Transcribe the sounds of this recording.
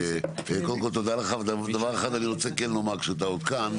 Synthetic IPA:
kolko̞lt̪o̞d̪aleχavdad̪avaʁeχad̪aniʁot͡sekenlomakʃut̪̬aot̪kan

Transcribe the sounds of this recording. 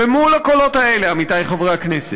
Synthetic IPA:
vemulhako̞lo̞taeleamitajχovʁakneset

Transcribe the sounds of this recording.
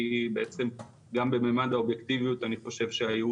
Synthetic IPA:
beet͡se̞m | ɡambememad̪aobjekt̪ivijut̪aniχo̞ʃe̞vʃeaju

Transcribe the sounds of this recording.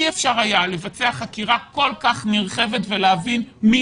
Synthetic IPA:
iefʃaʁajale̞vat͡se̞aχakiʁako̞lkaχniʁχe̞ve̞tve̞leavinmi

